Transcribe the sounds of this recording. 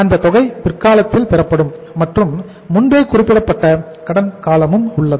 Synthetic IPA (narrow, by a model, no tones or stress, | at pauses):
ɐnd̪ɐt̪ɔɣɐɪpɪrkaːlɐt̪ːɪlpɛrɐpːɐɽɯmː | ɐʈrɯmː | ʊnbeːkʊrɪpːɪɽɐpːɐʈːɐ | kɐɽɐnkaːlɐmɯmʊɭːɐðɯ